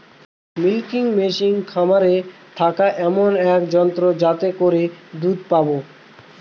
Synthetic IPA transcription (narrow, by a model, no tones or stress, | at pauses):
milkiŋmeʃiŋkʰamaɾet̪ʰakaʔɛmonɛkd͡ʑɔnt̪ɾod͡ʑat̪ekoɾed̪ud̪pabo